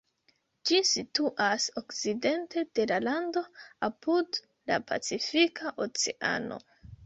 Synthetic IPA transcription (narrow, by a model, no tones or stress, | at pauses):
d͡ʒisituʔaso̞kt͡side̞nte̞d̥e̞lalando̞apud | la̰pʰa̰t͡sifikʰaʔot͡seʔa̰no̞̰